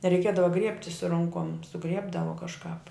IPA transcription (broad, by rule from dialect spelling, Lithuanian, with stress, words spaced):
rʲɛɪˈkʲiɛdɐʋɐ ˈɡrʲiɛpʲtʲɪ sʊ ˈroːŋkoːm sʊˈɡrʲiɛbdɐʋoː kɐʃˈkɑːp